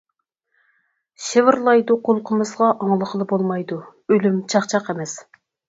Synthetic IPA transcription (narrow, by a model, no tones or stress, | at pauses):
ʃevɪɾlˠɑjd̪uqʰolˠqʰəmɨzʁɑʔɑŋlˠəχəlˠɨbolˠmɑjd̪uølymt͡ʃʰɑχt͡ʃʰɑqemɛs